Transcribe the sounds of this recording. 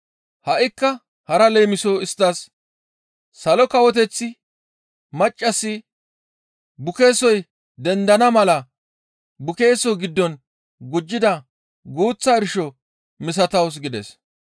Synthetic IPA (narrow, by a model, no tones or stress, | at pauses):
hɐʔɪkːɐ | hɐɾɐlejmɪsoɪst̪ːɐs | ɐlɔkɐwɔt̪̬ɛt͡sːɪ | mɐt͡ʃʼːɐsːɪ | bʊke̞ːsɔj | d̪ɛnd̪ɐnɐmɐlɐ | bʊke̞ːsɔɡɪd̪ːɔn | ɡʊd͡ʒːɪd̪ɐ | ɡuːt͡sːaːɪɾʃɔ | mɪs̬ɐt̪ɐws̬ɡɪd̪ɛ̰s